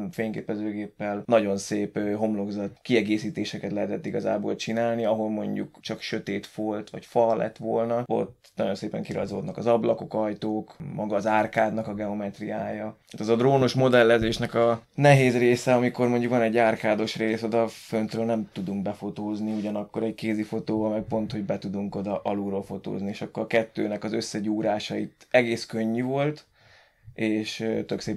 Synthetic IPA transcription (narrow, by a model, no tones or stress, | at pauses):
feːŋkeːpɛzøːɡeːpːɛlnɒɟo̞nseːpɦo̞mloɡzɒt̪kiɛɡeːsiːt̪eːʃɛkɛt̪lɛɦɛt̪ɛt̪ːiɡɒza̰ːbo̰ːlt͡ʃinaːlniɒɦo̞lmo̞̰ɲɟṵkt͡ʃɒkʃø̞t̪eːt̪folt̪ʋɒ̰cfɒlɛ̰t̪ːʋo̰lnɒo̞̰t̪ː | nɒɟo̞nseːpɛ̰ŋkiɾɒ̰zoːd̪nɒkɒzɒblɒko̞kɒjt̪oːkmɒɡɒːzaːrkaːd̪nɒkɒɡɛo̞mɛt̪rijaːjɒt̪aːt̪ɛzɒd̪roːnoʃmo̞d̪ɛlːɛzeːʃnɛkɒnɛɦeːzreːsɛɒmiko̞rmo̞ɲɟukʋɒnɛɟːaːrkaːd̪o̞ʃreːso̞d̪ɒfønt̪røːlnɛmt̪ud̪uŋk̚bɛfo̞t̪oːzniuɟɒnɒkːo̞ɾɛɟkeːzifo̞t̪oːvɒmɛk̚po̞nt̪ho̞ɟbɛt̪ud̪uŋko̞d̪ɒʔɒluːɾoːlfo̞t̪o̰ːznieːʃɒkːoɾɒkɛt̪ːø̰ːnɛkɒzøsːɛɟuːɾaːʃɒit̪ɛɡeːskøɲːyvo̞lt̪ | eːʃt̪ø̞kseːp